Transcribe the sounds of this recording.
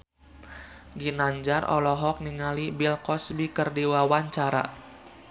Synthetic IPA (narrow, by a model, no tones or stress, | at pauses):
ɡinaɲd͡ʒarɔ̰lɔɦɔk̚niŋalibilkɔsbikərdiwawaɲt͡ʃaɾa̰